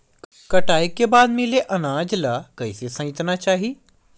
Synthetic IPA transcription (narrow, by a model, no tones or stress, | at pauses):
k | kəʈaːikebaːd̪mileʔɐnãːd͡ʒlakəisesɐ̃t̪naːt͡ʃaːɦiː